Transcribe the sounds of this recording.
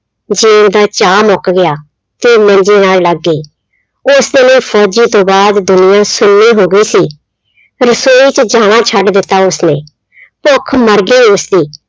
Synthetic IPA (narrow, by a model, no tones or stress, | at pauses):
d͡ʒeːʊd̪aːt͡ʃaːmɔːkːɡɪjaː | t̪eːmə̃ɲd͡ʒeːnaːlləɡːiː | ʊsd̪eːnəːpʰɔːd͡ʒiːt̪õːbaːd̪d̪ʊnɪjãːsʊnːiːɦoːɡəiːsiː | ɾəsoːiːt͡ʃd͡ʒaːɽ̃ãːt͡ʃʰəɖd̪ɪt̪ːaːʊsnẽː | pokʰməɾɡiːosd̪iː